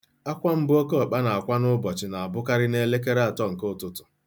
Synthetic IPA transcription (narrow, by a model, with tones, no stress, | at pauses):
a˦kʷa˦m̩˦bʊ˦o˦ko˦a˨k͡pa˦na˨a˨kʷa˦nʊ˦bɔ˨t͡ʃɪ˨na˨a˨bʊ˦ka˦ɾɪ˦ne˦le˦ke˦ɾa˨tɔ˦ŋ̩˨ko˦˨tʊ˨tʊ̥˨